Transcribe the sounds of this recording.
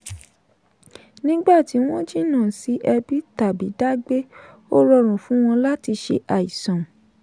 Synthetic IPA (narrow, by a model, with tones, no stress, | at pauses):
nĩ˦ɡ͡ba˦˨ti˨˦w̃ɔ̃˦d͡ʒi˦˨˦nãː˦˨si˨˦ʔɛ˧bi˦ta˨bi˨˦da˦ɡ͡be˦ | o˦ɾɔ˧ɾ̃ũ˨fũ˨˦w̃ɔ̃˧la˦ti˧ʃḛ˧ʔa˨i˨sã˨